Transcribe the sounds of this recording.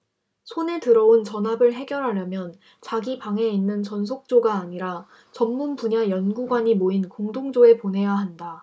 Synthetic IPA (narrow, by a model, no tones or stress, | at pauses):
sʰone̞tɯɾʌont͡ɕʌnɦabɯɭɦe̞ɡjʌɾɦaɾjʌmjʌn | t͡ɕaɡipaŋe̞inːɯnt͡ɕʌnsʰok̚t͡ɕ͈oɡaːɲiɾa | t͡ɕʌmːunpuɲajʌnɡuɡwaɲimoinkoŋdoŋd͡ʑoe̞ponɦe̞jaɦanda